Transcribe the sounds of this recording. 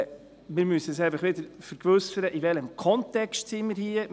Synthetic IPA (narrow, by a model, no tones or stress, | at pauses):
mɪːɾmysəəsæɪfɐχʋɪd̪əɾfəɾkʋɵsəɾəʔiʋɛləmkʰɔntɛkstsimiːɾhiə